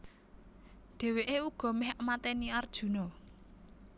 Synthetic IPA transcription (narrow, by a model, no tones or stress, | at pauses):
ɖ̪̥ɛ̤weʔeuɡ̥ɔ̤mɛhəmat̪ɛniard̥ʒ̥ṳnɔ